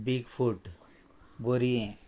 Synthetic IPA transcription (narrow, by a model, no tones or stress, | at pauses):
biɡfʰuʈ | boɾiẽ